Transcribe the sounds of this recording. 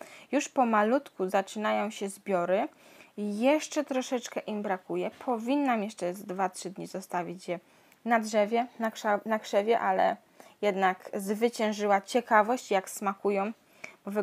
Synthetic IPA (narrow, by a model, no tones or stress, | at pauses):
juʂpɔmalut̪kuzat͡ʂɘnajɔ̃w̃ɕɛzbʲjɔɾɘ | jɛʂt͡ʂɛt̪ɾɔʂɛt͡ʂkɛʔimbɾakujɛpʰɔvʲinːamjɛʂt͡ʂɛzd̪vatʂɘd̪ɲizɔst̪avʲit͡ɕjɛ | nadʐɛvʲjɛnanakʂɛvʲjɛʔalɛ̰ | jɛd̪nakzvɘt͡ɕɛ̃w̃ʐɘwat͡ɕɛkavɔɕt͡ɕjaksmakujɔ̃w̃ | bɔv